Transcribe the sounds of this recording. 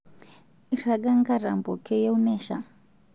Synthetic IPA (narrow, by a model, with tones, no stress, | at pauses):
iɾa˨ɡa˦ŋɡa˦ɾa̰˨mbɔ˨kʰɛ˦jɛ˦u˦mɛ˦˨ʃa̰˨